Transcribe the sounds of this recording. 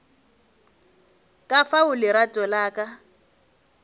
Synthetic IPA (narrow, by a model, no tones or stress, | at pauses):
kʼafaʊlɪɾatʼɔlaːkʼa